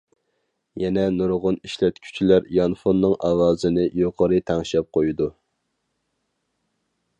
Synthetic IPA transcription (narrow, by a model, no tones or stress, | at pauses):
jɛnɛnuɾʁʊniʃlɛt̪kʲʰy̥t͡ʃʰilæɾjɑnfonːɨŋʔɑwɑːzɨnɪjoqʰəɾɨt̪ʰæŋʃɛp̚qʰojud̪u